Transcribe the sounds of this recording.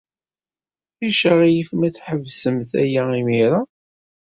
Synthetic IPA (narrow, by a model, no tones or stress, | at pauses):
iʃəʁijəfmæθħəvsəmθæ̰jæimiɾa